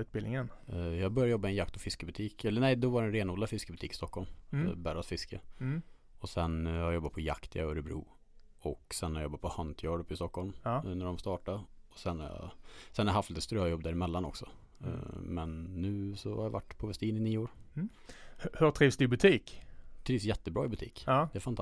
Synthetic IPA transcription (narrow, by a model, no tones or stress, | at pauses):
ʉ̟ːt̪̚bɪlnɪŋənjɑːɡbœɾjajɔbːamɪɛnjakt̪ʰɔfɪskəbɵt̪ʰiːkɛlːənɛɪd̪ɔvaɾɛnɾeːnɔːlafɪskəbɵt̪ʰiːkɪ̥st̪ɔkːɔlmbæːɾasfɪskə | ɔsɛnhajɔbːat̪̚pʰɔja̰kt̪ʰə̰aɔɾɛbɾṵː | ɔksɛnhajɔbːat̪̚pʰɔhant̪ʰjɑːɖɵpːɪst̪ɔkʰhɔlmnæɖɔmst̪ɑːʈaɔsɛnːaɾjɑ̰sɛnhæɾjaɦaflɪt̪ət̪st̪ɾøːjɔb̚ːd̪æːɾɪmɛlːanɔ̰ksɔ̰ | mɛnːʉ̟ːsɔha̰ɾjava̰ʈːpʰɔvɛst̪iːnɪniːoːɾ | hhɵʈ̪ʰɾiːvsd̪ɵɪbɵt̪ʰiːkt̪ʰɾiːvsjɛt̪ːəbɾɑ̰ːɪbɵt̪ʰḭːkːd̪ɛæfant̪